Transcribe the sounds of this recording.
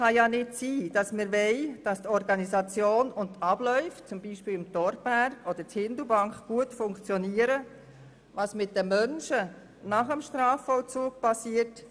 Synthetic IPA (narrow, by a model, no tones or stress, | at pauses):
χɑjɑnɪtsiːd̥ɑsmɪɾʋɛɪd̥ɑst̪ɔɾɡɑnisɑt͡sjoːnʊntːɑb̥lœʏft͡sʊmbiːʃpɪːlɪmtɔɾtbæɾɡɔd̥̪əɾthɪnd̪əbɑŋkχɡ̥uətfʊŋkt͡sjɔniəɾə | ʋɑsmɪt̚dəmœnʃə | nɑχəmʃtrɑːfːɔlt͡suːk̚pɑsiːət